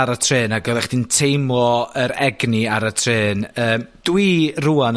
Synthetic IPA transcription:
aɾatʰreːnaɡɔðˠɛχd̥intʰejmɔəɾɛɡniaɾatʰreːnəːmd̥wiruan

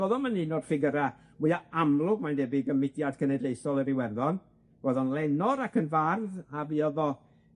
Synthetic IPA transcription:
oðɔmaninɔd̥fɪɡəɾa | miaamlˠʊɡmandɛbɪɡəmɪdjadkʰənɛdejsɔlˠəɾɪwɛrðɔn | v̥oðɔnlɛnɔɾakʰənvarðaviɔðɔ

